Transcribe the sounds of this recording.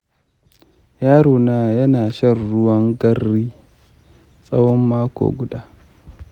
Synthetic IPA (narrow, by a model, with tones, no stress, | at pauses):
jaː˦ɽoː˨naː˨jɐ˦naː˨ʃɐ˦˨rːʊ˦wɐ˦ŋɡɐ˦rːiː˦ | sʼɐ˦wɔ˦mːaː˦kʷo̰ː˨ɡʷʊ˦daː˦